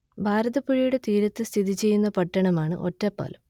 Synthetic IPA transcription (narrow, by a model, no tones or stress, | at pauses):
bʱaːɾɐðɐpuɻijuɽe̞t̪iːɾɐt̪ːɨst̪ʰiðit͡ɕe̞jːunːɐpɐʈːɐɳɐmaːɳɨ̰ʔo̞̰tːɐpːo̰ːlɐm